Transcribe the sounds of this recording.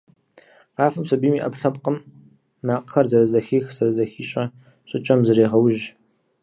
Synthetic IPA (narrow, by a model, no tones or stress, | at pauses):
raːfɐmsɐbiːmiːʔɐpɬɐpqəm | naːqəxɐrzɐɾɐzɐxiːxz̥ɐɾɐzɐxiːɕʼɐ | ɕʼɪt͡ʃʼɐmzɨreːʁɐwʒ